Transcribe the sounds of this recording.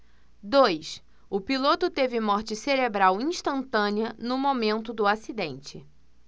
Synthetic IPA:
d̪ojs | ʊpilot̪ʊt̪evɪmɔɾt͡ʃɪseɾebɾawĩʃt̪ɐ̃nt̪ɐ̃niɐnʊmomẽnt̪ʊd̪ʊasid̪ẽnt͡ʃɪ

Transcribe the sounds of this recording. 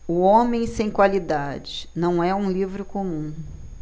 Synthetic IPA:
ʊõmẽj̃sẽj̃kwalid̪ad͡ʒɪnɐ̃w̃ɛũlivɾʊkomũ

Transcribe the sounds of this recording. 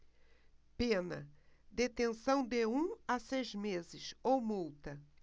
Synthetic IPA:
pẽnɐ̰d̪et̪ẽsɐ̃w̃d̪ɪũasejzmezɪsowmuwt̪ɐ

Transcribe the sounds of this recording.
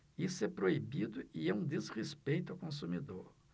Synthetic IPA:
isepɾoibid̪ʊieũd̪ezʁespejt̪ʊawkõsumid̪oɾ

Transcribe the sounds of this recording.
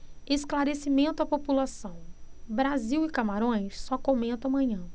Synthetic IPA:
esklaɾesimẽnt̪ʊapopulasɐ̃w̃bɾaziwɪkamaɾõj̃sːɔkomẽnt̪ʊamɐ̃ɲɐ̃

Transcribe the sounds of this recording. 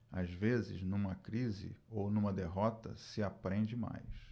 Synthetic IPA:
azvezɪ̰znũmɐkɾizɪ̰ownũmɐd̪eɦɔt̪ɐ̰sɪapɾẽd͡ʒɪma̰js

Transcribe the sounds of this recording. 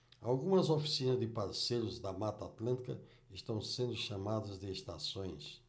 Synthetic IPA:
alɡũmɐzofi̥sinɐzd̪ɪpaɾsejɾʊzd̪ɐmat̪at̪lɐ̃nt̪ikɐ | ɪʃt̪ɐ̃w̃sẽnd̪ʊʃamad̪ɐzd̪ɪeʃt̪asõj̃s

